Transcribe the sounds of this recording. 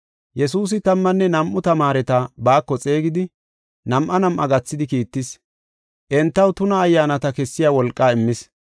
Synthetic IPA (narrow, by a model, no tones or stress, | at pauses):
jɛsuːs̬ɪt̪ɐmːɐnːɛnɐmʔːʊt̪ɐmaːɾɛt̪ɐbaːkːɔt͡sʼe̞ːɡɪd̪ɪ | nɐmʔɐnɐmʔɐ̰ɡɐt͡sːɪd̪ɪkiːt̪ːɪs | ʔɛnt̪ːɐwt̪ʊnɐːjːaːnɐt̪ɐkɛsːɪjaːwɔlkʼːaːɪmːɪs